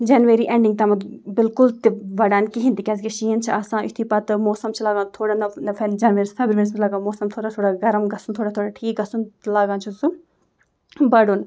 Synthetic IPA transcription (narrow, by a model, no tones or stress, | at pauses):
d͡ʒɐːnʋeɾiːʔẽɳɖĩŋɡ̚t̪ɐmɐd̪bɪlkʊlt̪iʋɐɖaːnkiɦĩnd̪ikʲɐːskeʃiːɐnt͡ʃʰiaːsãːʊt̪ʰiːpɐt̪ɨmoːsɐmt͡ʃʰilaːɡãːnt̪ʰoːɽaːnɐnɐfed͡ʒɐːnʋeɾsfʰeːbɾuʋeːɾs̬bilɐɡaːmoːsɐmt̪ʰoːɽat̪ʰoːɽaɡɐɾɐmɡɐsunt̪ʰoːɽãt̪ʰoːɽaʈʰiːk̚ɡɐsunlaːɡãːnt͡ʃʰusu | bɐɽun